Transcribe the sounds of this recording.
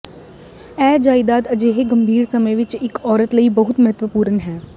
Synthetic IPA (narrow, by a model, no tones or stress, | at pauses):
ɛːd͡ʒaːɪd̪aːd̪əd͡ʒeːɦeɡəmbʱiːɾsəməjʋɪt͡ʃɪkɔːɾət̪ləibəɦʊt̪mɐɦət̪ʋəpuːɾənɦɛː